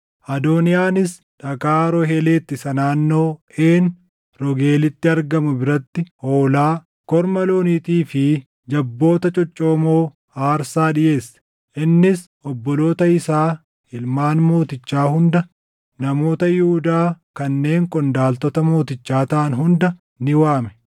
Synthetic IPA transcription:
ʔɐd̪oːnɪjaːnɪs | ᶑɐkaːɾɔɦeleːt̪ːɪsɐnaːnːo̞ːeːn | ɾɔɡe̞ːlɪt̪ːɪɐɾɡɐmʊbɪɾɐt̪ːɪhoːlaː | kɔɾmɐlo̞ːniːt̪iːfɪ | d͡ʒɐbːo̞ːt̪ɐt͡ʃʼɔt͡ʃʼːoːmo̞ː | aːɾsaːᶑɪje̞ːs | ʔɪnːɪs | ʔɔbːɔlo̞ːt̪ɐɪsaː | ɪlmaːnmo̞ːt̪ɪt͡ʃːaːhʊnd̪ɐ | nɐmo̞ːt̪ɐjʊhʊd̪aːkɐnːe̞ːŋkʼɔnd̪aːlt̪ɔt̪ɐmo̞ːt̪ɪt͡ʃːaːt̪ɐʔɐnɦʊnd̪ɐ | nɪwaːmɛ̥

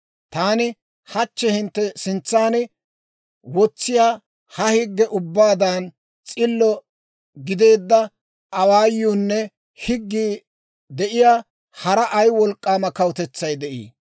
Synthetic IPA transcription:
t̪aːnɪ | hɐt͡ʃːɛhɪnt̪ːɛsɪnt͡sːaːnɪ | wɔt͡sːɪjaː | hɐhɪɡːɛʔʊbːaːd̪aːn | t͡sʼɪlːɔ | ɡɪd̪e̞ːd̪ːɐ | ɐwaːjːuːnːɛ | hɪɡːiː | d̪ɛʔɪjaː | hɐɾɐʔɐjwɔlkʼːaːmɐkɐwt̪ɛt͡sːɐjd̪ɛʔḭː

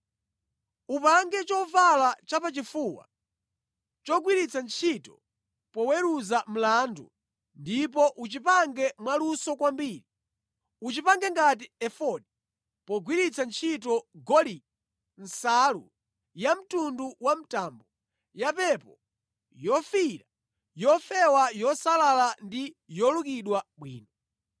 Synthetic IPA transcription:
upaŋɡɛt͡ʃɔvalat͡ʃapat͡ʃifuːwa̰ | t͡ʃɔɡwiɾit͡sʰant͡ʃʰitɔ | pɔwɛɾuzam̩landṵ | ndip̬ɔʔut͡ʃipaŋɡɛmwalusɔkwambiːɾi | ut͡ʃipaŋɡɛŋɡat̬iɛfɔdi | pɔɡwiɾit͡sʰant͡ʃʰit̬ɔɡɔli | n̩salṵ | jam̩tunduwam̩taːmbɔ | japɛpɔ | jɔfiɾa | jɔfɛwajɔsalalandijɔlukiɗwaɓwḭːnɔ

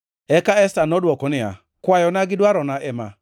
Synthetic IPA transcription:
ɛkaɛstanɔdwɔkɔnɪa̰ | kwajɔnaɡɪdwaɾɔnaʔɛma̰

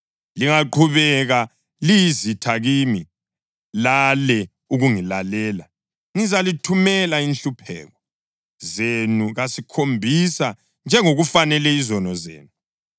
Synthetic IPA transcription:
liŋaǃʰuβɛɣa | lijizitʰaɣiːmi | lalɛ | uɣuŋilalɛːla | ŋizalitʰumɛlainɬupʰɛ̰ːɣɔ | zenuɣasikʰombʱisa | nd͡ʒʱɛŋoɣufanɛlɛizɔnɔzḛːnu

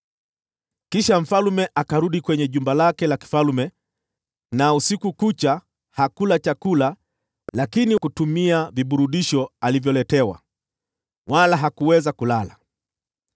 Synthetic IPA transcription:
kiʃam̩falumɛʔakaɾuɗikwɛɲɛʄumbalakɛlaki̥falumɛ | nausikukut͡ʃa | hakulat͡ʃakula | lakinikutumiaviɓuɾuɗiʃɔalivjɔlɛtɛwa̰ | walaɦakuwɛzakulala

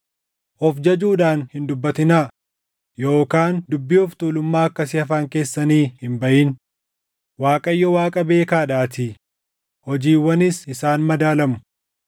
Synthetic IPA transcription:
ʔɔfd͡ʒɐd͡ʒuːᶑaːnhɪnd̪ʊbːɐt̪ɪnaː | jo̞ːkaːnd̪ʊbːɪʊft̪uːlʊmːaːɐkːɐsɪhɐfaːŋke̞ːsːɐniːhɪmbɐʔɪn | waːkʼɐjːɔwaːkʼɐbe̞ːkaːᶑaːt̪ɪ | hɔd͡ʒiːwːɐnɪsɪsaːnmɐd̪aːlɐmʊ

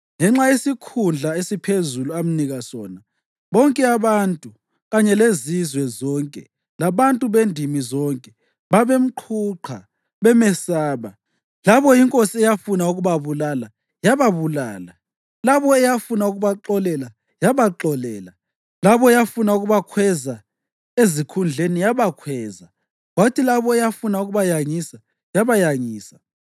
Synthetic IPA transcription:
ŋɛŋ͡ǁajesikʰund͡ɮʱaesipʰezuluam̩niɣasɔ̰ːna | βɔŋkʼɛaβantʼu | ɣaɲɛlezizwɛzɔŋkʼɛ̰ | laβantʼuβendʱimizɔŋkʼɛ | βaβem̩ǃʰuǃʰa̰ | βɛmɛsaːβa | laβɔjiŋkʼosiɛjafunauɣuβaβulala | jaβaβulaːla | laβɔɛjafunauɣuβaǃɔlɛla | jaβaǃɔlɛːla | laβɔɛjafunauɣuβakʰwɛza | ezikʰund͡ɮʱenijaβakʰwɛːza | watʰilaβɔɛjafunauɣuβajaŋisa | jaβajaŋiːsḁ

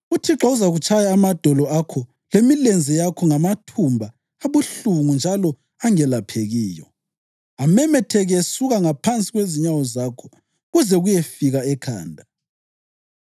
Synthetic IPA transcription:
utʰiǁauzaɣut͡ʃʰʼajaːmad̥ʱɔlɔakʰɔ | lemilend͡zʱɛjakʰɔŋamatʰumbʱa | aβuɬuŋund͡ʒʱalɔ | aŋɛlapʰeɣiːjɔ̰ | amɛmɛtʰɛɣsuɣaŋapʰant͡sʼiɣweziɲawɔzakʰɔ̥ | ɣuzɛɣujefiɣaɛkʰa̰ːndʱa

